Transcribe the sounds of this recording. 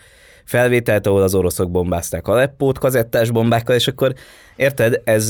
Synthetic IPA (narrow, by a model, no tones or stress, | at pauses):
fɛlveːt̪ɛlt̪ɒɦolɒzo̞ɾo̞so̞ɡ̚bo̞mbaːst̪aːkɒlɛpːoːt̪kɒzɛt̪ːaːʒbo̞mbaːkːɒleːʃɒkːo̞ɾ | eːrt̪ɛd̪ɛz